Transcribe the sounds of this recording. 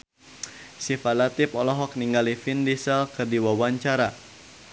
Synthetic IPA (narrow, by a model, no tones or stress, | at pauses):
sifalat̪ipɔlɔɦɔk̚niŋɡalifindisɛlkɨrdiwawaɲt͡ʃaɾa